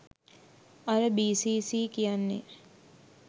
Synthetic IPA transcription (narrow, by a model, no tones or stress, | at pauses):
ɐɾəbiːsiːsiːkijanːḛ